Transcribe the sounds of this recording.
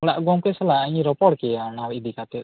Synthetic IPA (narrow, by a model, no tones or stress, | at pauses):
ɔɽa̰ʔɡɔmkɛsɛlaaɲɾɔpɔɽkɛanawid̪ikat̪ɛt̪̚